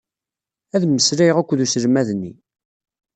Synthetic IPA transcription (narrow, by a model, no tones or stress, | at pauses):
æðməsɾæjʁækʷːðusəɾmæðnːḭ